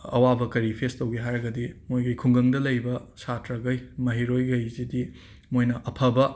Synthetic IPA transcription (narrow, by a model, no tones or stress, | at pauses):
ɐ̰wabɐkɐɾipʰestɐwɡeɦajɾɐɡɐdimojɡɐjkʰuŋɡɐŋdɐlɐjbɐsatɾɐɡɐjmɐɦiɾojɡɐjzidi | mojnɐʔɐpʰɐbɐ